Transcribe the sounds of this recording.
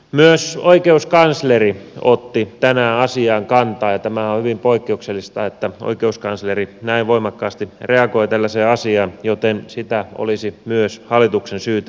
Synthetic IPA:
myøsoikeuskɑnsleriot̪ːit̪ænæːɑsiɑːŋkɑnt̪ɑːjɑt̪æmæohyʋimpoikːeukselːist̪ɑːet̪ːæo̰ikeuskɑnslerinæiʋʋoimɑkːɑːst̪ireɑkoit̪ælːæseːɑsiɑnjot̪ensit̪æo̰lisimyøshɑlːˑit̪uksensyːt̪

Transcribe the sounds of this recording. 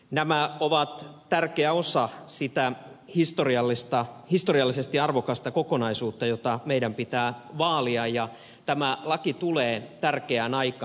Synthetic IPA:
næmæoʋɑt̪t̪ærkeæosɑsit̪æ | hist̪oriɑlːist̪ɑhist̪oriɑlːisest̪iɑɑrʋokɑst̪ɑkokonɑisuːt̪ːɑjot̪ɑmeidæmpit̪æːʋɑːliɑjjɑ | t̪æmælɑkit̪uleːt̪ærkeænɑikɑ

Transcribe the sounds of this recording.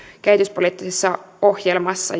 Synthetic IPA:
kæit̪yspoliːt̪ːisesːɑ | ohjelmɑsːɑ̰

